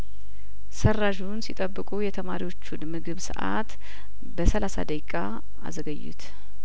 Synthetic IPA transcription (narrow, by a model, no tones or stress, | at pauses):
səraʒunsit̪ʼəbːɨkʼujɛt̪ʰəmaɾiwo̞t͡ʃːunmɨɡɨβsɨ̰ʔa̰t̪ | bəsəlasa̰d̪əjkʼa | a̰zəɡəjːṵt̪